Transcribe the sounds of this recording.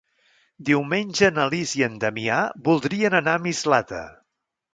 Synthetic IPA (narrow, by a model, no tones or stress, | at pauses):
d̪iwmenʲʒənəliziənd̪əmiabulˠd̪ɾiənənamizlat̪ə̰